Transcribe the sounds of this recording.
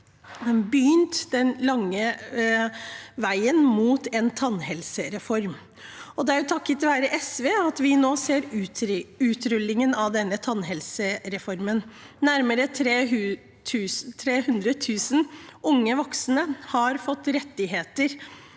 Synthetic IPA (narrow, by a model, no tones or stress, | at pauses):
d̪ɛnbyːnt̪d̪ɛnlɑŋːə | ʋæɪənmuːt̪ɛnt̪ʰɑnhɛlsəɾɛfɔɾm | ɔd̪ɛæɾjʊt̪ʰɑkːət̪ʰːɪʋæːɾəʔɛsʋeːɑt̪ʋɪnoːseːɾ | ʉːt̪ɾʏlːɪŋənɑʋd̪ɛnːət̪ʰɑnɦɛlsəɾɛfɔɾmən | næɾməɾət̪ʰɾeːʉ | t̪ʰʉːst̪ʰɾeːhʉnd̪ɾət̪ʰʉːsənʊŋːəʋɔksnəhɑɾfɔt̪ːɾɛt̪ːɪɦeːt̪əɾ